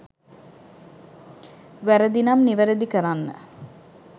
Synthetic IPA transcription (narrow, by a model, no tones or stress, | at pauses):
ʋæɾəd̪inamniʋəɾəd̪ikəɾanːə̰